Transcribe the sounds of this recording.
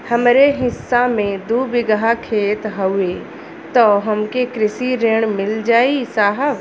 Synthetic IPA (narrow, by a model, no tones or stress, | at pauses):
hɐmɾeɦɪsːamẽd̪uːbɪɡəɦakʰeːt̪ɦɐe | t̪ɔɦɐmkekɾɪsiɾeːɽ̃mɪld͡ʒaːisaːɦəʋ